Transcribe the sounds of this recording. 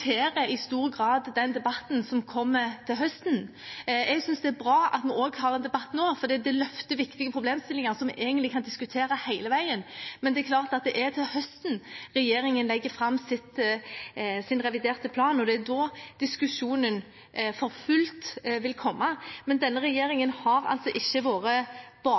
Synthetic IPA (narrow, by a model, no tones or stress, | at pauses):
eːɾəɪst̪uːɾəɡʁɑːd̪ːɛnd̪ɛbɑt̪nsɔmkʰɔmːət̪ʰɪlɦœst̪n̩ | ɛɡsʏnsd̪ɛæɾbɾɑːɑ̰t̪mɛoːɡhɑːʁɛnd̪ɛbɑt̪ːnoːfɔɾd̪iːd̪ɛlœft̪əʋɪkt̪ɪɡəpʰɾʊbleːmst̪ɪlːɪŋɑʁsɔmʔeːɡənlɪkʰɑnd̪ɪskʉt̪ʰeːɾəhæɪləʋæɪənmɛnd̪ɛæklɑːʁt̪ɑt̪̚d̪ɛʔæɾt̪ʰɪlhœst̪n̩ɾɛjeːɾɪŋənlɛɡːəfɾɑmːsɪt̪ | sɪnɾɛʋɪd̪eːɾt̪əpʰlɑːnɔd̪ɛæd̪ɔd̪̥ɪskʉʂuːnən | fɔɾfʉlt̪ʋɪlkʰɔmːɑmɛnd̪ɛnːəɾɛjeːɾɪŋənhɑɾɑ̰lt̪sɔʔɪçːəʋoːɾəb̥ɑː